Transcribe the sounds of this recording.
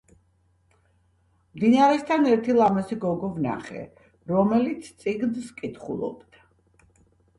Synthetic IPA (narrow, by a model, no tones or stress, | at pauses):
md̪inaɾɛst̪ʰanɛɾt̪ʰilˠamasiɡɔɡɔvna̰χɛ̰ | ɾɔmɛlit̪sʰt̪sʼiɡnskʼit̪χṵlˠɔ̰bd̪ʰa